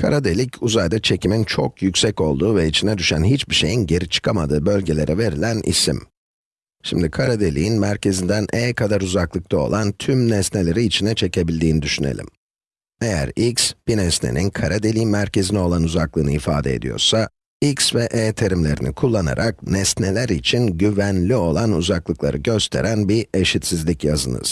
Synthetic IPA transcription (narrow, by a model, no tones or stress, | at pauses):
kʰa̰ɾad̪elʲicuzajd̪at͡ʃʰe̞cʰimint͡ʃʰo̞kjycʲsɛco̞lˠd̪uːvɛit͡ʃʰinɛd̪yʃænɦit͡ʃbiʃe̞jinɟe̞ɾit͡ʃʰɯ̥kʰamad̪ɯːbø̞lʲɟe̞lʲe̞ɾʔɛve̞ɾilʲænʔḭsḭm | ʃimd̪ikʰaɾad̪e̞lʲḭinmæɾcʰe̞zind̪ænɛːkʰad̪aɾuzaklˠɯk̚t̪ʰao̞̰lˠant̪ʰymnɛsne̞lʲe̞ɾiːt͡ʃʰinɛt͡ʃʰe̞cʰe̞bilʲd̪iːnid̪yʃyne̞̰lʲḭm | ejæ̰ɾiksbinɛsnḛninkʰaɾʔad̪e̞lʲiːmæɾcʰe̞zinio̞lˠanuzaklˠɯːnɯifa̰ːd̪eḛd̪ijo̰ɾsa | iksvɛʔɛːt̪ʰeɾimlʲe̞ɾḭnḭkʰulˠːana̰ɾʔak̚nɛst̪ne̞lʲæɾit͡ʃʰinɟyvænlʲio̞lˠanuzaklˠɯklˠa̰ɾɯɟø̞st̪ʰe̞̰ɾænbie̞ʃit̪sizlʲicjazɯ̰nɯ̰z̥